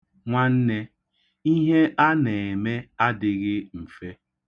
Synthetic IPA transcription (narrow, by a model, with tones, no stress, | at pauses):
ŋʷa˦n̩˦ne˦ | i˦ɦe˦ʔa˦ne˨e˨me˦a˦dɪ˨ɣɪ˦m̩˨fe˦